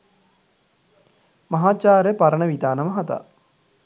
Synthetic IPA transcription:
mɐɦaːt͡ʃaːɾjəpaɾəɳəʋit̪aːnəməɦɐt̪a̰

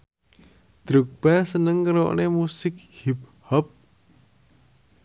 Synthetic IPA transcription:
d̪̥ɾuk̚b̥asənəŋkəɾo̰ʔnemusɪk̚hip̚hɔp̚

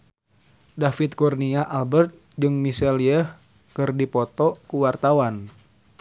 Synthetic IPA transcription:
dafit̪̚kɔrniaʔalbərt̪̚ | d͡ʒɨŋmisɛliəh | kɨrdipɔt̪ɔkuwart̪awan

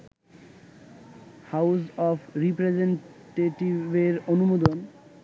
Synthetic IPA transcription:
hawsɔpʰɾipɾed͡ʑenʈeʈibeɾonumod̪on

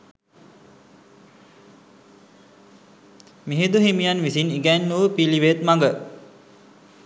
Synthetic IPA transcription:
miɦed̪uɦimijanʋisiniɡɛnːuʋəpiliʋet̪maŋɡə

